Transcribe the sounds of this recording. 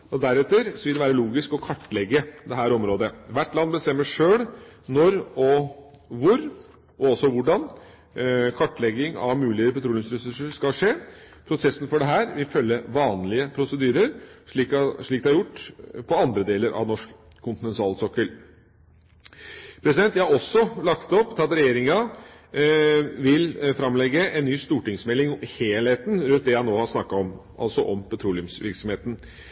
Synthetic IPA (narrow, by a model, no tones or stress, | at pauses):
ɔd̪æɾɛt̪əɾsɔʋɪld̪ɛʋæːɾəluːɡɪskɔkʰɑʈːlɛɡːəd̪ɛɦæːɾɔmɾoːd̪əʋæʈːlɑnːbəst̪ɛmːəʂøːɭnɔɾɔʋʊɾ | ʔɔɔsɔʋʊɖɑn | kʰɑʈːɭɛɡɪŋɑ̰ʋmʉːlɪəɾpʰɛt̪ɾuːlɪŋsɾɛsʉʂəʂkɑʂeː | pʰɾʊsɛsːnfɔɖɛɦæːɾʋɪlfœlːəʋɑːnlɪəpʰɾʊsəd̪yːɾəɾʂɭiːkɑʂɭiːkd̪ɛhɑɾjʊʈːpʰɔɑnd̪ɾəd̪eːləɾʔɑ̰ʋnɔʂkʰː | ʊnt̪ɪnɛnt̪ɑːlsɔkːəl | pʰɾɛsɪd̪ɛnt̪jæhɑɾɔsːɔlɑkt̪ɔpːt̪ʰɑt̪ɾɛjeːɾɪŋɑ | ʋɪlfɾɑmlɛɡəʔɛnːyːst̪uːʈɪŋsmɛlːɪŋheːlheːt̪nɾʉnt̪d̪ɛɑnoːhɑsnɑkːɑɔmʔɑ̰lsɔʔɔmpʰɑt̪ʰɾuːlɪʊmsʋɪ̰ɾksɔmheːt̪n̩